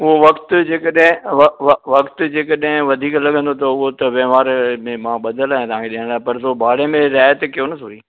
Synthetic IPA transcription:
ʊɦoʋɐkt̪d͡ʑeːkəɗɦɪ̃ʋɐʋɐʋɐkt̪ʊd͡ʑeːkəɗɦɪ̃ʋɐd̪ʱiːklɐɡʱə̃nd̪ot̪ʰoʊɦot̪ɐʋɐʋaːɾmẽmãːɓɐd̪əlaːɦẽt̪ɐʋãŋkʰeɗɪɦəɽ̃aːɦpɐɾsobʱaːɽemẽɾjaːjət̪ɪkɪjonɐsoɾiː

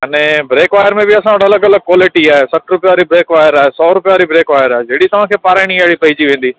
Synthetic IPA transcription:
nɛbɾeːkʋaːjəɾmẽbɪɐsãʋɐʈʰɐləɡɐləɡ̚kwɔːlɪʈiaːɦesɐʈʰɾʊpjaːɾibɾeːkʋaːjəɾaːɦesɔːɾʊpjaːɾibɾeːkʋaːjəɾaːɦed͡ʑɐɦːɽit̪ɐʋ̤ãkʰeːpaːɾaːɪɽ̃iɐɦɪɽipɐɪd͡ʑiʋẽːnd̪iː

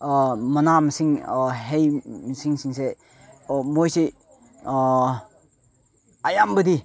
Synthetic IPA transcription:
mɐnamsiŋɦejsiŋsiŋse | mojsi | ajambədi

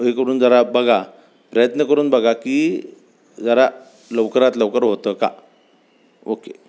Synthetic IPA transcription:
ɦekəɾuːnd͡zəɾabəɡʱa | pɾəjət̪nəkəɾuːnbəɡʱakiː | d͡zaɾa | ləʋkəɾat̪ləʋkəɾɦot̪əka̰ | oke

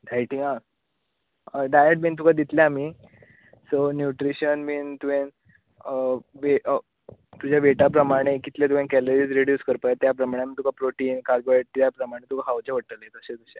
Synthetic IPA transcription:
ɖʱajʈiŋã | ɖajeʈ̚miːnt̪̬ukʰad̪it̪laamiː | sonjuʈɾiɕənmiːnt̪uʋẽn | ʋe | t̪ud͡ʑaʋeʈap̬ɾəmaɽ̃ekit̪ljet̪uʋẽnkɛloɾiːd͡zɾiɽjuːskəɾpajt̪jap̬ɾəmaɽ̃eam̤iːt̪ukʰapɾoʈiːnkaɾɡoeʈt̪japɾəmaɽ̃et̪ukʰaɦawt͡ɕaʋəʈəlet̪əset̪uɕa

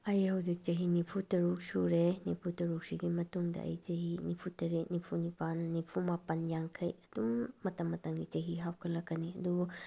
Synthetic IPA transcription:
ɐjhɐwzik̚t͡ʃɐɦinipʰutɐɾuk̚suɾenipʰutɐɾuk̚siɡimɐtuŋdɐ̰ʔɐ̰jt͡ʃɐɦinipʰutɐɾenipʰunipanːipʰumapɐnjaŋkʰɐjɐdumːɐtɐmːɐtɐŋɡit͡ʃɐɦiɦawkʰɐlɐkːɐniɐdu

